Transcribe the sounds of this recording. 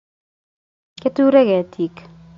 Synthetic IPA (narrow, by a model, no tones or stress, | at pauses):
ket̪uɾeɣɛt̪ʰik